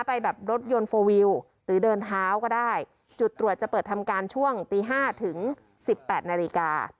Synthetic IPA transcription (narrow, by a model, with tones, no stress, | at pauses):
a˥˩pa˧jbɛː˨˩p̚ɾo˦˥t̪̚jo˧nfoː˧wi˧w | ɾɯː˩˦dɤː˧nt̪ʰaː˦˥wkɔː˥˩daː˥˩j | t͡ɕu˨˩t̪ːɾu˨˩ət̪̚t͡ɕa˨˩pɤː˨˩t̪ʰa˧mkaː˧nt͡ɕʰu˥˩əŋt̪iː˧ɦaː˥˩t̪ʰɯ˩˦ŋ | si˨˩pːɛː˨˩t̪̚naː˧li˧ka̰ː˧